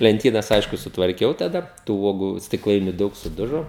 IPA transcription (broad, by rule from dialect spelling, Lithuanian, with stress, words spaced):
lʲɛnʲˈtʲiːnɐs ˈɐɪʃkʊ sʊtʋɐrʲˈkʲɛʊ tɐˈdɐ tuː ˈuɔɡʊ sʲtʲɪkˈlˠɐɪnʲʊ ˈdɐʊk sʊˈdʊʒoː